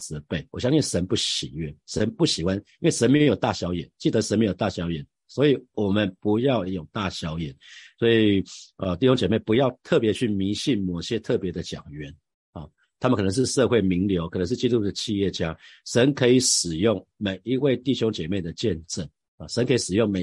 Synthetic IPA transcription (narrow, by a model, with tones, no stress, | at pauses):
t͡sɹ̩˧˦pe˥˩ɪwɔ˨˩ɕjɑ˥ŋɕi˥nʂə˧˦npu˥˩ɕḭ˨˩ɥɛ˥˩ʂə˧˦˥npu˥˩ɕi˨˩xwa˦ni˥nwe˥˩ɪʂə˧˦nme˧˥jo˨˩ʊt̪a˥˨˩ɕjɑ˧˥ʊjɛ˨˩˦nt͡ɕi˥˩d̪ə˧˦ʂə˧˦nme˧˥jʊt̪a˥˨˩ɕjɑ˧˥ʊjɛ˨˩˦n | swɔ˧˥i˨˩wɔ˨˩mə˦npu˧˦˥jɑ˥˩ʊjo˨˩ʊt̪a˥˨˩ɕjɑ˧˥ʊjɛ̰˨˩˦nswɔ˧˥i˨˩ə˧t̪i˥˩ɕjo˥ŋt͡ɕjɛ˨˩me˥˩ɪpu˧˥jɑ˥˧ʊt̪ʰɤ˥˩pjɛ˧˥t͡ɕʰy˥˩mi˧˥˦ɕi˥˩nmɔ˨˩ɕjɛ˦t̪ʰɤ˥˩pjɛ˨˧˥d̪ə˨t͡ɕjɑ̰˨˩ŋɥɛ˨˧˥n | ɑ̰˨˩ | t̪ʰa˥mə˨kʰn˧˦ŋʂɻ̩˥˧ʂɤ˥˧xwe˥˩ɪmi˧˥ŋljo˧˥ʊkʰɤ˨˩nə˧˦ŋʂɻ̩˥˩t͡ɕi˥t̪u˥˩d̪ə˨t͡ɕʰi˥˧jɛ˥˩t͡ɕja˥˦ʂə˧˦nkʰɤ˧˥i˨˩ʂɻ̩˨˩jʊ˥˩ŋme˨˩ɪi˧˥we˥˧ɪt̪i˥˩ɕjo˥ŋt͡ɕjɛ˨˩me˥˩ɪd̪ə˩t͡ɕjɛ˥˧nʈ͡ʂə˥˩n | ɑ˨˩ʂə˧˦nkʰɤ˧˥i˨˩ʂɻ̩˨˩jʊ˥˩ŋme˨˩